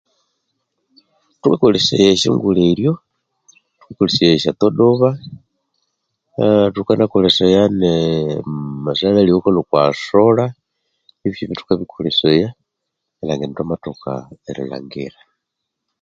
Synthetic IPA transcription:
tukakolisḛjeʃḭŋɡuleiljo | tu̥kikolisejeʃat̪oɗoβa | tukanakolesejane | masalaliokolokwasola | iβiiβitu̥kaβikʰoleseja | elaŋɡentomatoka̰elḭla̰ŋɡiɾa

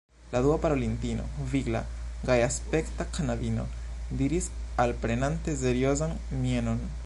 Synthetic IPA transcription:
laduapaɾo̞lintino̞̰viɡla̰ | ɡajaspe̞ktakʰanadino̞̰ | diɾis | alpɾe̞nante̞se̞ɾio̞zan | mieno̞n

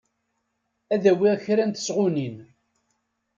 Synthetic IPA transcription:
æðæwɪʁçɾænt̪ə̥sʁʊnin

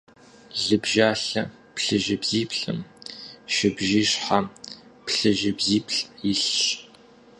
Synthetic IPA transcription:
ɮɨbʒaːɬɐ | pɬɨʒɪbziːpʰɬɨmʃɪbʒiːɕħapɬɨʒɪbziːpʰɬʼjɪɬɕ

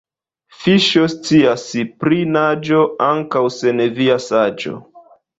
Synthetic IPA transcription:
fiʃo̞st͡siasipɾinad͡ʒo̞aŋkawse̞neviasad͡ʒo̞̰

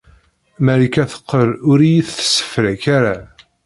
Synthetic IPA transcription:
mæɾikæθə̥qːəɾʊɾijiθθə̥sːə̥fɾæçaɾa

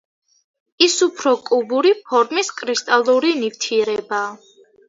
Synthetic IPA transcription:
isupʰɾɔkʼubuɾipʰɔɾmiskʼɾist̪ʼalˠuɾinift̪ʰiɛɾɛbaː

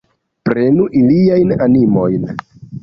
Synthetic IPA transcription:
pɾe̞nuʔiliajnanimo̞jn

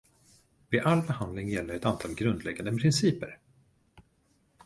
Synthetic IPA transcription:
vɪʔalːbɛhand̪lɪŋjɛlːəɾɛt̪ant̪ʰɑːlɡɾɵnd̪lɛɡand̪əpʰɾɪnsiːpəɾ

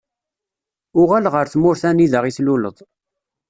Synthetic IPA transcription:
ʊʁælʁəɾθmʊɾθæniðəʁiθluləðˤ

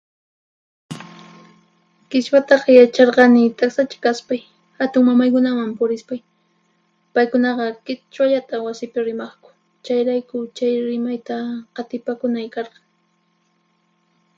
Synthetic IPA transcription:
kɪʃwat̪ɑχjat͡ʃɑɾɢɑnɪt̪aksat͡ʃḁkaspaj | hat̪ʊŋmamajkʊnamampʊɾɪspaj | pajkʊnɑɢɑkɪt͡ʃwaʎat̪awasɪpɪɾɪmɑχkʊ̥ | t͡ʃajɾajkʊt͡ʃajɾɪmajt̪aqɑt̪ɪpakʊnajkɑɾɢɑŋ

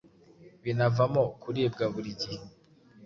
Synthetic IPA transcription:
βinavamokuɾibɡaβuɾiɟihe

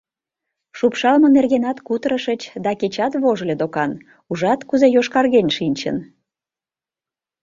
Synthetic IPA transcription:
ʃupʃɑlmənerɣenɑt̪kut̪ɾəʃət͡ɕd̪ɑket͡ɕɑt̪βoʒlʲed̪okɑn | uʒɑt̪kuzejoʃkɑrɣenʲʃinʲt͡ɕə̰n

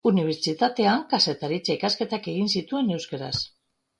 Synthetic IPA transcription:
uniβ̞eɾt͡ʃit̪at̪e̞aŋkase̞t̪aɾit͡saikaske̞t̪ake̞ɣinsit̪ue̞ne̞wskaɾa̰s

